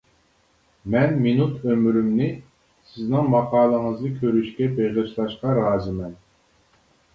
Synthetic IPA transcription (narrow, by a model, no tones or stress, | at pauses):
mɛnminut̪ʰømɾymnɪ | sɪznɪŋmɑqɑːlˠəŋəznɨkʲʰøɾyʃkʲɛbeʁɨʃlˠɑʃqɑɾɑːzɨmɛn